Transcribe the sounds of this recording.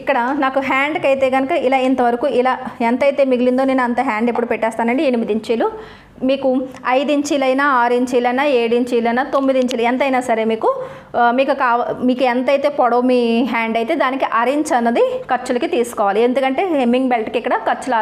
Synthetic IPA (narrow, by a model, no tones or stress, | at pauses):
ikːɐɽɐnaːkuɦaːɳɖkɐjt̪e̞ːɡɐnɐkɐilaːint̪ɐʋɐɾɐkuːilaːent̪ɐjt̪e̞ːmiɡilind̪one̞ːnɐnt̪ɐɦaːɳɖepːuɽupɛʈːɛːst̪aːnɐɳɖienimid̪iɲt͡ʃiːlu | miːkuɐjd̪iɲt͡ʃiːlɐjnaːaːɾiɲt͡ʃiːlɐjnaːeːɽuiɲt͡ʃiːlɐjnaːt̪omːid̪iɲt͡ʃiːluent̪ɐjnaːsɐɾeːmiːku | miːkukaːʋmiːkuent̪ɐjt̪e̞ːpɔɽoːmiɦaːɳɖɐjt̪e̞ːd̪aːnikiʔɐɾiɲt͡ʃɐnːɐd̪ikɐɾt͡ʃulɐkit̪iːsu̥kɔːʋaːliend̪ukɐɳʈe̞ːɦemːiŋɡbelʈkikːɐɽɐkɐɾt͡ʃulaː